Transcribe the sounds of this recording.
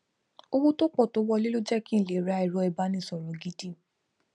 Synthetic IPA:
o˧wo˦to˦k͡pɔ˦˨to˨˦wɔ˦˧le˦lo˦d͡ʒɛ˦kĩ˦˨le˨ɾa˨˧˦i˨ɾɔ˧ɛ˧˨ba˦nĩ˧˦˨sɔ˨ɾɔ˨ɡi˦di˦

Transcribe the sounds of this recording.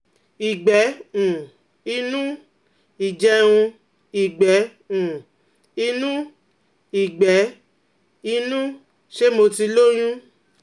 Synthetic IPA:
i˨ɡ͡bɛ˨˦ũ˨ | i˧nũ˦ | i˨d͡ʒɛ˧˦ũ˧ | i˨ɡ͡bɛ˨˦ | ũ˨ | i˧nũ˦ | i˨ɡ͡bɛ˨˦ | i˧nũ˦ | ʃe˦mo˧ti˧˦lo˦j̃ũ˦

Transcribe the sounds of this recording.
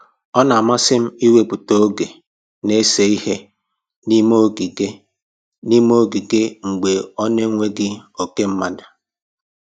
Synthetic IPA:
ɔ˦na˨a˨ma˦sɪ˦m̩˦i˦we˨k͡pu˨to˦o˦ɡe˨ | ne˦se˨˦i˦he˦ | ni˦mo˦ɡi˨ɡe˦ | ni˦m˦o˦ɡi˨ɡɪ˦ŋ͡m̩˨ɡ͡be˨ɔ˦ne˦ŋʷe˦ɡɪ˦o˨ke˦m̩˦ma˦da˨

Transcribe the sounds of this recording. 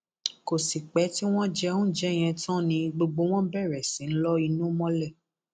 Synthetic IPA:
ko˨si˨k͡pɛ˨˦ti˦w̃ɔ̃˦d͡ʒɛ˧˦õ˦d͡ʒɛ˦˨j̃ɛ̃˧tɔ̃˦nĩ˧ɡ͡bo˧ɡ͡bo˨˦w̃ɔ̃˦bɛ˦˨ɾɛ˨sĩ˨˦n̩˦lɔ˦i˧nũ˦mɔ̃˦lɛ˦˨

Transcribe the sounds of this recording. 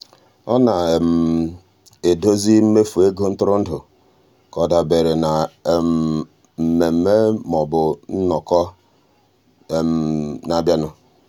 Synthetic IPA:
ɔ˦na˨m̩˨ | e˨do˦zi˦m̩˦me˦fu˨e˦ɡo˦n̩˦tʊ˦ɾʊ˦n̩˦dʊ˨ | kɔ˨da˨be˨ɾe˨na˨m̩˨ | m̩˨me˨m̩˨˦me˦mɔ˨bʊ˨n̩˦nɔ˨kɔ˦˨ | na˨bja˦nʊ˨

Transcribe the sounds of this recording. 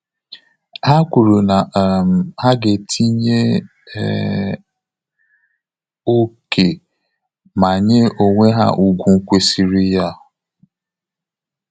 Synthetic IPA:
a˦kʷu˨ɾu˨na˨m̩˨a˦ɡe˨tʰi˦ɲe˦˨ | o˦kʰe˨ | ma˨ɲe˦o˨ŋʷe˦ɦa̰˦ʔu˨ɡʷu˦kʷe˦si˨ɾi˦ja˦˨

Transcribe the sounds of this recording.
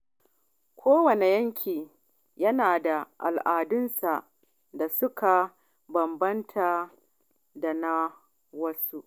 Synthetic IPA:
kʷʰoː˦wɐ˨ne˨jɐ˦ŋkʲʰiː˨ | jɐ˦naː˨da˨ʔa̰˨lʔaː˨dʊ˦nsa˨ʔ | da˨sʊ˦kʰa˨ | bɐ˨mbɐ˦ntʰa˨ | da˨na˦ | wɐ˦su˦ʔ

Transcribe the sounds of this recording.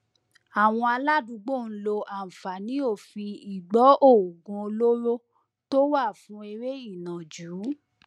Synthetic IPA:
a˨w̃ɔ̃˧a˧la˦du˨˦ɡ͡bo˦˨n̩˦lo˧ʔã˨fa˨nĩ˨˦o˦˨fi˧i˨ɡ͡bɔ˨˦ʔo˦˨ɡũ˧o˧lo˦ɾo˦ | to˦wa˦˨fũ˨˦e˧ɾe˦i˦˨nã˨d͡ʒuː˨˦

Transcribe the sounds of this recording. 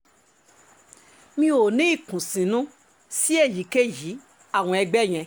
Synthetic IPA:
mĩ˦o˨nĩ˨˦i˦˨kũ˨sĩ˨nũ˦ | si˦e˦˨ji˨˦ke˦ji˨˦ | a˦˨w̃ɔ̃˧ɛ˧ɡ͡bɛ˦˨j̃ɛ̃˧

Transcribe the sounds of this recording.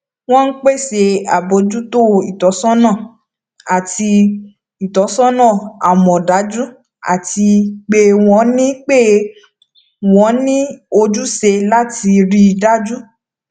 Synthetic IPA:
w̃ɔ̃˦n̩˦k͡pe˦˨se˧a˨bo˧˦d͡ʒu˦to˦i˨tɔ˨˦sɔ̃˦nãː˦˨ | a˨ti˧ | i˨tɔ˨˦sɔ̃˦nã˦˨a˨mɔ̃˨da˨˦d͡ʒu˦ | a̰˨ti˧k͡pe˧w̃ɔ̃˨˧˦nĩ˦k͡pe˦˨ | w̃ɔ̃˨˦nĩ˦o˧d͡ʒu˦se˧la˦ti˧ɾi˦˧da˦d͡ʒu˦

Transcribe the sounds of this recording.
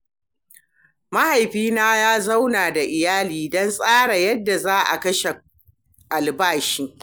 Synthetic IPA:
ma˦ha˨jɸiː˦naː˦jaː˦za˦wnaː˨da˨ʔɪ˨jaː˦liː˨dɔ˦nsʼaː˦ɽa˨jɐ˦dːa˨zaː˦ʔa̰˨kɐ˦ʃe˨ | ʔa˨lbaː˦˨ʃiː˦

